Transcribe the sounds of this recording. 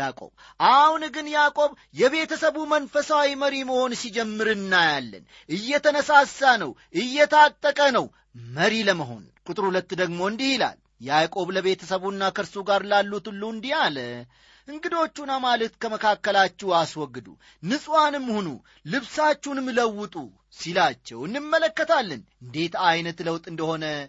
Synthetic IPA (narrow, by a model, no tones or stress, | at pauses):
jakʼo̞̰β | ʔahunɡɨnjakʼo̞β | jɛβe̞t̪ʰəsəβumənfəsawiməɾiməho̞nsid͡ʒɛmːɨɾɨnːajalːə̰n | ʔɨjːɛt̪ʰənəsasːanəwʔɨjːɛt̪ʰat̪ʼːəkʼənəw | məɾiləməɦo̞̰nkʼʊt̪ʼɨɾhulət̪ːd̪əɡmo̞ɨnd̪ihila̰l | jɛakʼo̞βləβe̞t̪ʰəsəβunːakʰəɾsuɡaɾlalːut̪ulːuɨnd̪ijalə | ʔɨŋɡɨd̪o̞t͡ʃːunamalət̪kʰəməkʰakːəlat͡ʃːɛwaswɔɡːɨd̪ṵ | nɨsʼwanɨmːhonṵ | lɨβsat͡ʃːunmɨləwːɨt̪ʼu | silat͡ʃːɛwɨnːɨmːələkːət̪ʰalːənɨnd̪e̞t̪ajnət̪ləwt̪ʼɨnd̪əho̞nə